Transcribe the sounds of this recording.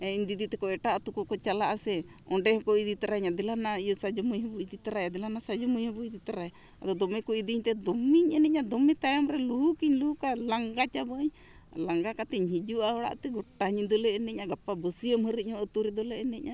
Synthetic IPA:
ɛiɲd̪id̪it̪ɛkɔɛʈaʔt̪ukɔkɔt͡ʃalaʔasɛ | ɔɖɛhɔkɔid̪it̪aɾaɲad̪ɛlanaijɔsad͡ʒɔmujɦəbuid̪it̪aɾajad̪ɛlanasad͡ʒɔmujhəbuid̪it̪aɾaj | ad̪ɔd̪ɔmɛkɔid̪iɲt̪ɛd̪ɔmiɲɛnɛcɲad̪ɔmɛt̪ajɔmɾɛluɦukiɲluhukalaŋɡat͡ʃabəɲ | laŋɡakat̪ɛɲɦid͡ʒuaɦɔɽa̰ʔt̪ɛɡɔʈːaɲid̪ɔlɛɛnɛc̚aɡapːabəsijəmɦəɾəhɔət̪uɾɛd̪ɔlɛʔɛnɛɲa

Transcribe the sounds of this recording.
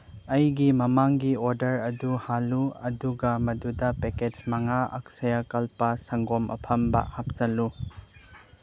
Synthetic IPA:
ɐjɡimɐmaŋɡioɾdɐɾɐduhaluɐduɡɐmɐdudɐpeked͡ʒmɐŋaɐ̰k̚sɐjakɐlpɐsɐŋɡomʔɐ̰pʰɐmbɐ̰hap̚t͡ʃɐlu

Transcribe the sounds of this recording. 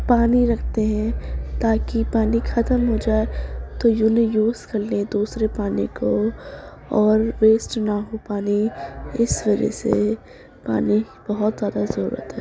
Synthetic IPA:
paːniɾɐkʰt̪eɦɛ̃t̪aːkipaːnixɐt̪əmɦod͡ʒaːet̪ojunejuːzkɐɾled̪uːsɾepaːniko | ɔːɾʋeːsʈnaɦopaːniɪsʋɐd͡ʒɛ̰sḛ | pa̰ːni | b̥ɐɦʊt̪zjaːd̪azɐɾṵːɾə̰t̪ɦɛː

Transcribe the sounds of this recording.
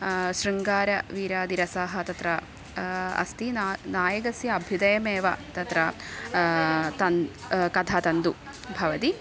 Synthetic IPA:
ʃɾiŋɡaːɾɐʋiːɾaːd̪iɾɐsaːɦɐt̪ɐt̪ɾɐ | ɐ̰st̪inaːjɐɡɐsjɐɐbʱjud̪ɐjɐmeːʋɐt̪ɐt̪ɾɐ | t̪ɐnkɐt̪ʰaːt̪ɐnd̪u | bʱɐʋɐt̪i

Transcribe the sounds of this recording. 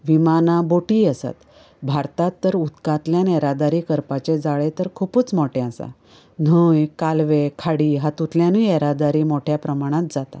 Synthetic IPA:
ʋimanãboʈiːəsa̰t̪ | bʱaɾt̪at̪ːəɾut̪kat̪ljãneɾad̪aɾiːkəɾpat͡ɕed͡zaɭet̪əɾkʰupuːt͡smoʈeasa̰ | n̤ujkalʋekʰaɽiːɦat̪ut̪ljãnieɾad̪aɾiːmoʈʰjapɾəmaɽ̃ãt̪̚d͡zat̪a̰

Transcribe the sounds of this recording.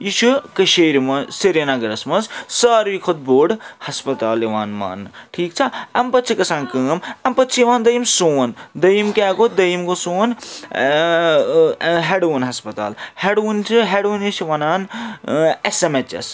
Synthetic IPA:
jiʃʰukɐʃeɾmɐseɾjɐnaɡɐɾɐsmɐnssaːɾʋikʰot̪̚boːɖhɐspɐt̪aːliʋaːnma̰ːnʈʰiːk̚t͡ʃʰɐɐmpɐt̪t͡ʃʰikɐsaːnkɐːmɐmpɐt̪ːt͡ʃʰiiʋaːnd̪ɐjimsoːnd̪ɐjimkeːɡod̪ɐjimkosoːn | ɦeɖunɦɐspɐt̪a̰ːlheɽunt͡ʃʰɦeɽunisiʋɐnaːn | esemet͡ʃḛs

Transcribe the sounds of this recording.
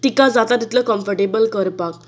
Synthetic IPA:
t̪ikad͡zat̪at̪it̪ləkə̃mfəɾʈebəlkəɾpak

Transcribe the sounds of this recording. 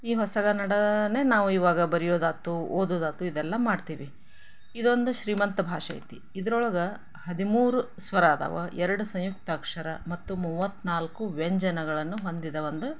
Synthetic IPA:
iːɦɔsɐɡɐnɐɽɐneːnaːʋuiːʋaːɡɐbɐɾijoːd̪aːt̪ːuoːd̪oːd̪aːt̪uid̪ɛlːɐmaːɖt̪iːʋi | id̪o̞nd̪uʃɾiːmɐnt̪ɐbʱaːʂɐ̰j̰t̪i | id̪ɐɾɔɭɐɡɐ | hɐd̪imuːɾu | sʋɐɾaːd̪ɐ̰ʋɐ̰ʔɛɾɐɽusɐ̃jjuk̚t̪ɐkʂɐɾɐmɐt̪ːumuʋːɐt̪ːnaːlkuʋeɲd͡ʒɐnɐɡɐɭɐnːuɦo̞nd̪id̪ɐʋɐnd̪u

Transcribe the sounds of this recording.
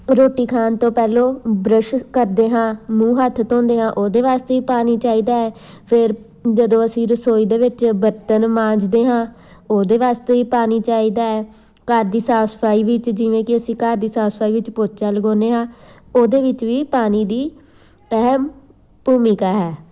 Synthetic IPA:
ɾoːʈiːkʰaːnt̪õːpɛːloːbɾəʃkəɾd̪eːɦãːmũːɦət̪ʰːt̪õːnd̪eːɦãːʔoːd̪eːʋaːst̪eːiːpaːniːt͡ʃaːiːd̪aːɛː | pʰɪɾ | d͡ʒəd̪õːəsĩːɾəsoːiːd̪eːʋɪt͡ʃbəɾt̪ənmãːd͡ʒd̪eːɦãː | oːd̪eːʋaːst̪eːiːpaːniːt͡ʃaːiːd̪aːɛː | kaːɾd̪iːsaːspʰaːiːʋɪt͡ʃd͡ʒɪʋẽːkɪəsĩːkaːɾd̪iːsaːspʰaːiːʋɪt͡ʃpoːt̪t͡ʃaːləɡõːneːɦãː | oːd̪eːʋɪt͡ʃʋiːpaːniːd̪iː | ɛɦm | buːmɪkaːɦɛː

